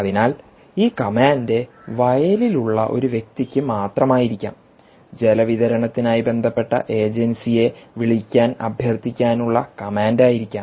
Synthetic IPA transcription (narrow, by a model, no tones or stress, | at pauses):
ɐðinaːl | iːkɐmaːnde̞ | ʋɐjɐliluɭːɐ̰ʔo̞̰ɾuʋje̞k̚t̪ikʲːɨmaːt̪rɐmaːjiɾikʲːa̰ːm | d͡ʑe̞lɐʋiðɐɾɐɳɐt̪ːinaːjibe̞nd̪ʱɐpːe̞ʈːɐ̰ʔe̞ːd͡ʑensije̞ʋiɭikʲːaːnɐ̰bʱjɐrt̪ikʲːaːnuɭːɐkɐmaːndaːjiɾikʲːaː